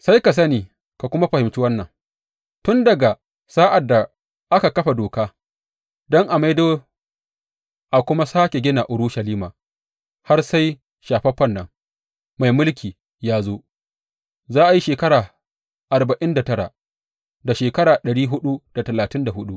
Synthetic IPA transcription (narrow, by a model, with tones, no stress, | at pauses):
sa˦jka˨s̬ɐ˦niː˨ | ka˨kʷʊ˦ma˦ɸɐ˨hɪ˨mt͡ʃu˦wɐ˦nːɐ̰˨ŋ | tʊ˦ndɐ˨ɡa˨ | saː˦ʔa˨dːa˨ | ʔa˦ka˨kɐ˦ɸa˨doː˨kaː˦ | dɔ˦ŋʔa˨ma˦jdoː˦ | ʔa˨kʷʊ˦ma˦saː˦kʲe˨ɡʲɪ˦na˨ʔʊ˨ɽʊ˦ʃɐ˨liː˦maː˨ | ha˦rsa˦j | ʃaː˨ɸɐ˦ɸɐ˦nːɐ̰˨ŋ | ma˨jmʊ˦lkʲiː˨ | jaː˦zo˦ | zaː˦ʔa˨ji˦ʃeː˨kɐ˦ɾaː˨ | ʔa˨ɾba˨ʔɪ˦nda˨tɐ˦ɾa̰˨ | da˨ʃeː˨kɐ˦ɽaː˨ɗɐ˨ɽiː˦ɦʊ˦ɗu˦d̥a˨tɐ˨laː˨tɪ˦nda˨hʊ˦ɗu˦ʔ